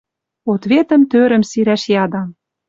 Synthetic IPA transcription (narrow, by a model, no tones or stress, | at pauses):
ot̪βet̪ə̆mt̪øɾə̆msiɾæʃjɑd̪ɑ